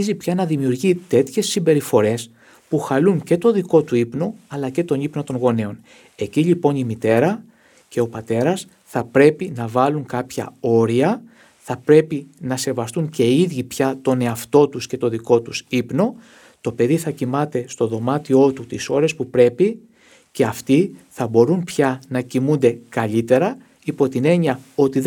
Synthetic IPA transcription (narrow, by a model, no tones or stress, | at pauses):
zipçɐnɐðimiuɾʝit̪e̞t̪çe̞sːimbe̞ɾifo̞ɾe̞s | puxɐluŋce̞t̪o̞ðiko̞t̪uipno̞ɐlɐce̞t̪o̞nipno̞t̪o̞ŋɣo̞ne̞o̞n | e̞ciʎipo̞nimit̪e̞ɾɐ | ce̞o̞pɐt̪e̞ɾɐs | θɐpɾe̞pinɐvɐluŋkɐpçɐ̰o̞ɾiɐ | θɐpɾe̞pinɐse̞vɐst̪uɲce̞iðʝipçɐt̪o̞ne̞ɐft̪o̞t̪usce̞t̪o̞ðiko̞t̪usipno̞ | t̪o̞pe̞ðiθɐcimɐt̪e̞st̪o̞ðo̞mɐt̪io̞t̪ut̪iso̞ɾe̞spupɾe̞pi | ce̞ɐft̪iθɐbo̞ɾunpçɐnɐcimund̪e̞kɐʎit̪e̞ɾɐ | ipo̞t̪ine̞ɲɐo̞t̪ið